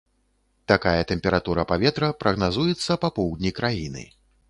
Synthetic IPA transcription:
t̪akajɐt̪ɛmpʲɛɾat̪uɾɐpavʲɛt̪ɾɐpɾɐɣnazujɛt̪sːɐpapɔwd̪ʲnʲikɾajinɨ̰

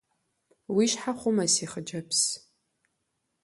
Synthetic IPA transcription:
wiʃħaχʷʊmɐsiχəd͡ʒɐpʰs

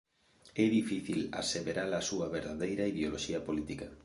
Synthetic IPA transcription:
ɛðifiθila̰seβeɾalasuɐβeɾðaðejɾaiðeoloʃiɐpolit̪ika

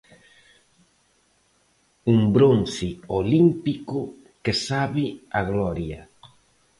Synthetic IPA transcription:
uŋbɾonsiolimpikʊ | kesaβɪaɣlɔɾjɐ

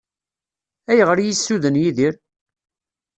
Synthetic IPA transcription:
æjəʁəɾjisːuðənjiðiɾ

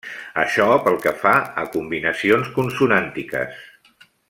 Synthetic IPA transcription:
əʃɔpəlˠkəfaəkumbinəsionskunsunant̪ikə̰s

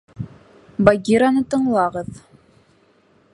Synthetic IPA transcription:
baɡʲiɾanɤt̪ɤ̆ɴlˠɑʁɤð

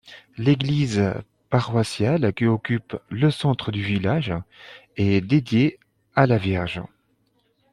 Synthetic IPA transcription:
leɡliz | paʁwasjalkʲiɔkʲypləsɑ̃t̪χəd̪yvilaʒ | ɛd̪ed̪je | alavjɛʁʒ

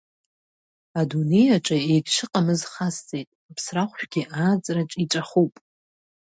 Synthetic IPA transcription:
adune̞jaʈ͡ʂʼaejɡʲʂɨqʼamɨzχast͡sʼe̞jtʼapʰsraχʷᶣɡ̥ʲiʔaːt͡sʼraʈ͡ʂʼiʈ͡ʂʷʼaχupʼ

